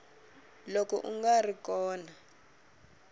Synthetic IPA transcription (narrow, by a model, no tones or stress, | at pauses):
lokɔ̰ʔṵŋɡarikɔːna